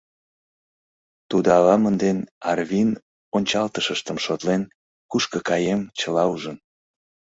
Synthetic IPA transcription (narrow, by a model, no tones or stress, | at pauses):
t̪ud̪ɑlɑmənd̪enɑrβʲin | onʲt͡ɕɑlt̪əʃəʃt̪əmʃot̪len | kuʃkəkɑjemt͡ɕəlɑuʒən